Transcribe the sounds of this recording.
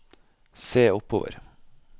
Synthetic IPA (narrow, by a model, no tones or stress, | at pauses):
seːʊpʰoːʋə̰ɾ